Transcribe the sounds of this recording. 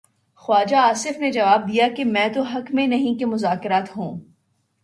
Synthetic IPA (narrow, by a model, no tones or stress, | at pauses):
xwaːd͡ʒaaːsɪfned͡ʒɐʋaːb̚d̪ijakemɛ̃ːt̪oɦɐkmẽnɐɦĩkemʊzaːkɪɾaːt̪ɦũː